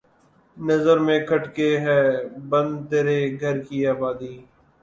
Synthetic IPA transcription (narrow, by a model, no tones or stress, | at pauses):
nəzəɾmẽːkʰəʈkeːɦɛːbənd̪t̪eːɾeːɡʱəɾkiːaːbaːd̪iː